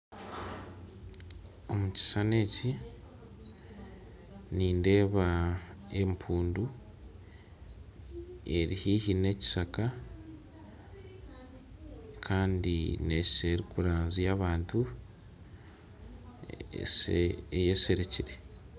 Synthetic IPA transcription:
o̞muci̥sane̞ːci | niːnde̞ːβae̞mpʰuːndu | e̞ɾihiːhine̞ːci̥saka | kʰaːndine̞ʃi̥seɾikuɾaːnzijaβaːntu | seejese̞ɾeciɾe̞

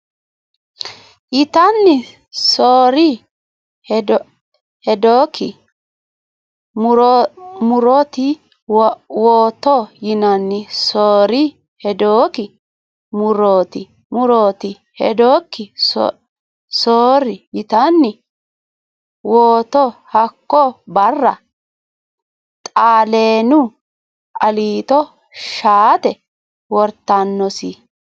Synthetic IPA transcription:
ʔɪt̪ɐnːɪ | soːɾɪ | h | hɛd̪oːkʰːɪ̰ | mʊɾmʊɾɔt̪ɪ | woːt̪ɔjɪnɐnːɪsoːɾɪ | hɛd̪oːkɪ | mʊɾoːt̪ɪ | mʊɾoːt̪ɪ | hɛ̰d̪oːkːɪs | soːɾɪjɪt̪ɐnːɪ | woːt̪ɔhɐkːɔbɐrːɐ | t̪ʼaːleːnʊ | ʔɐliːt̪ɔ | ʃaːt̪ɛ | wɔɾt̪ːanːɔsɪ

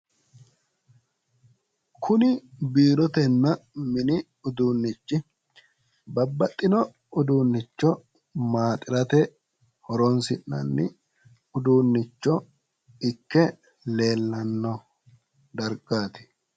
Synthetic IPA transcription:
kʰʊnɪbiːɾɔt̪ɛnːɐmɪnɪ | ʊd̪uːnːɪt͡ʃːɪ | bɐbːɐt̪ʼːɪnɔ | ʊd̪uːnːɪt͡ʃːɔ | maːt̪ʼɪɾɐt̪ɛ | hɔɾɔnsɪnːɐ̰nːɪ | ʊd̪uːnːɪt͡ʃːɔ | ɪkːɛ | le̞ːlːɐnːɔ | d̪ɐɾɡaːt̪ɪ̥

